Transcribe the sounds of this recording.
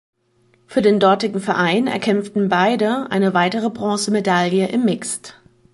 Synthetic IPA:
fyːɐdeːndɔɐtɪɡŋ̩fɛɐʔaɪnɛ̰ɐkʰɛmftn̩baɪdəʔa̰ɪnəvaɪtəʁ̞əbʁɔ̃ːsəmedaljəʔɪmːɪkst

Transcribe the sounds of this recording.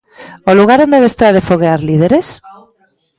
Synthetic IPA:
oluɣaɾond̪eðest̪ɾaɾefoɣ̞eaɾlið̞eɾes

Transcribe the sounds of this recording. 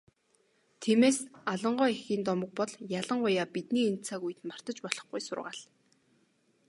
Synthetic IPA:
t̪ʰiːmeːsaɮə̆ɴɢɔːexiːnt̪ɔmə̆k̚pɔɮjaɮə̆ŋɢʊjaːpit̪niːent͡saːɣujɘ̆t̪mar̥t̪ə̆t͡ɕpɔɮɞ̥̆χɡujsʊ̰rʁaːɮ

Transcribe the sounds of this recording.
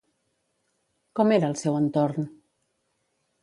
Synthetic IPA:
kɔmeɾəːlˠsɛwənt̪oɾn

